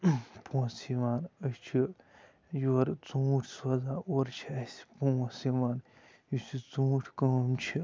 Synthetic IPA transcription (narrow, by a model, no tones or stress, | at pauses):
põːsiʋaːnəst͡ʃʰi | joɾt͡sũːʈʰsɐzaːoɾt͡ʃʰiɐsʲi̥pũːsiʋaːn | jusit͡sũːʈʰkomt͡ʃʰi